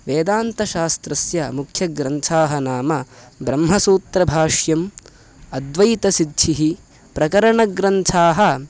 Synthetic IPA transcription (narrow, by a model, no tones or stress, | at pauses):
ʋeːd̪aːnt̪ɐʃaːst̪ɾɐsjɐmukʰjɐɡɾɐnt͡ʃʰaːɦɐnaːmɐbɾɐmɦɐsuːt̪ɾɐbʱaːʂjɐm | ɐd̪ʋɐjt̪ɐsid̪ʃʰiɦi | pɾɐkɐɾɐɳɐɡɾɐnt͡ʃʰaːɦɐ